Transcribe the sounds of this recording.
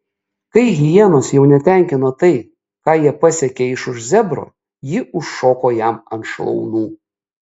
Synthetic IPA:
kɐɪɣʲɪjiɛnoːsjɛʊnʲɛt̪ʲɛˑŋʲkʲɪnoːt̪ɐɪ | kɑːjiɛpɑsʲɛkʲeɪʃʊʃzʲɛbɾo̰ː | jɪʔʊʃːoːkoːjɛmɐnt̪ʃlˠɔ̰ʊnuː

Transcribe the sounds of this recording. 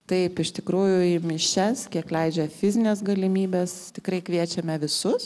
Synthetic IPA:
t̪ɐɪpɪʃt̪ʲɪkɾuːjʊɪmʲɪʃʲɛskʲiɛklʲɛɪd͡ʒʲɛfʲɪzʲɪnʲeːsɡɐlʲɪmʲiːbʲeːst̪ʲɪkrɐɪkʋʲiɛt͡ʃʲɛmʲɛʋʲɪsʊs

